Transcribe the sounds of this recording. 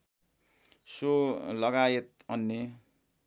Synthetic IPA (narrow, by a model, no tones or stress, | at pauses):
solʌɡajet̪̚ʌnːe